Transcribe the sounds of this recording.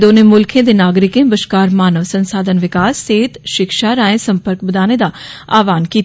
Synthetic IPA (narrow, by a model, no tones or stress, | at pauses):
d̪oːneːmʊlkʰẽːd̪enaːɡɾɪkẽːbəʃkaːɾmaːnəʋsə̃nsaːd̪ʱənʋɪkaːsːeːt̪ʃɪkʃaːɾaːẽsə̃mpəɾkbəd̪aːned̪aːaːʋaːnkiː